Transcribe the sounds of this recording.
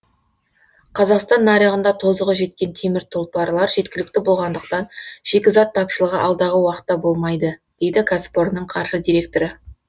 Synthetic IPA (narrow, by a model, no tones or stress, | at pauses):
qʰɑzɑqst̪ɑnːɑɾiʁənd̪ɑt̪ʰo̞zəʁəʒe̞t̪̚kʲe̞nt̪ʰemɪɾt̪ʰolˠpɑɾlˠɑɾʒe̞t̪kʲɪlɪk̚t̪ɪbo̞lˠʁɑnd̪əq̚t̪ɑnʒ̥e̞kʲɪzɑt̪ʰːɑpʃəlˠəʁəʔɑlˠd̪ɑʁəwɑqə̥t̪ːɑbo̞lˠmɑjd̪əd̪̥e̞jd̪ɪkʰaspoɾnəɴqʰɑɾʃəd̪ijɾe̞k̚t̪oɾə